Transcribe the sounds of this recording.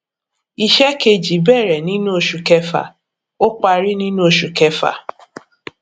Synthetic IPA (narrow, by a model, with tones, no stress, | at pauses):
i˨ʃɛ˦ke˧d͡ʒi˨bɛ˦˨ɾɛ˨nĩ˦nũ˦o˨ʃu˨kɛ˦fa̰˨ | o˦k͡pa˧ɾi˦nĩ˦nũ˦o˨ʃu˨kɛ˦fa̰˨